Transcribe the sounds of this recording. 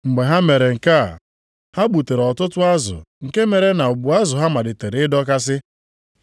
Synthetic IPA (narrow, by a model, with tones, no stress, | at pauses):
ŋ͡m̩˨ɡ͡be˨ɦa˦me˨ɾe˨ŋ̩˨ka˦˨ | ha˦ɡ͡bu˨te˨ɾɔ˨tʊ˦tʊ˦a˦zʊ̰˨ŋ̩˨ke˦me˨ɾe˦na˨ʊ˨ɡ͡bu˨a˦zʊ˨ɦa˦ma˨dɪ˨te˨ɾe˨ɪ˦dɔ˦ka˦s̬ɪ˦